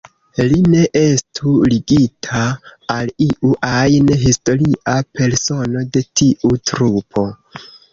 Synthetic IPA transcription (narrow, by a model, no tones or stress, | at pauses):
line̞ʔe̞stʰuliɡitʰaːliʔuʔajnɦisto̞ɾiʔape̞ɾso̞no̞de̞tiʔutɾupʰo̞